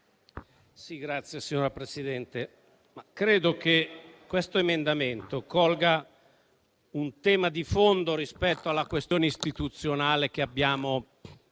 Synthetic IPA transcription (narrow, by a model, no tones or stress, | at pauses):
siɡɾat̪sːjesiɲːoːɾapɾesid̪ɛnt̪e | makɾeːd̪okekwest̪oemend̪ament̪okɔlɡa | unt̪ɛːmad̪ifond̪oɾispɛt̪ːoalːakwest̪joːneist̪it̪ut̪sːjonaːlek̟eabːjaːmo